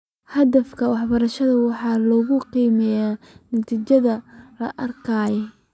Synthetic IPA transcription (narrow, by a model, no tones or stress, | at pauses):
hɐd̪ɐfkʰɐwɑħbɐɾɐʃɐðɐwɑħɑːlɔːɣʊqiːmɛjaː | nɐt̪ʰiːt͡ʃɐðɐlɐ̰ʔɐrkʰaːjɔ